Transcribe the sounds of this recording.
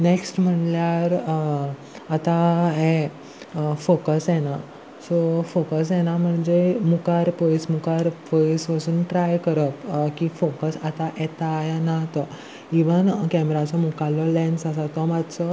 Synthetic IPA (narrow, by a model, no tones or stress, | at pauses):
neksʈm̤əɳljaɾ | at̪aɦɛ | fokəsjɛna | sɔfokəs̬jɛnam̤əɳd͡zemukaɾpoismukaɾpoisʋəsuːnʈɾajkəɾəp̪kifokəsat̪aʔɛt̪ajanat̪ɔ | iʋənkɛmɾat͡sɔmukalɔlɛ̃nsasat̪ɔmad̪sɔ